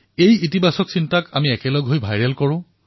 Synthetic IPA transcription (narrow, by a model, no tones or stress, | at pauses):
ejitibʱasɔksintakamiɛkɛlɔɡɦojbʱajɹɛlkɔɹʊ̃